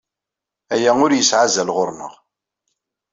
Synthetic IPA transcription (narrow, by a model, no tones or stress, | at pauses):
æjæʊɾjəsʕazælʁʊɾnə̰ʁ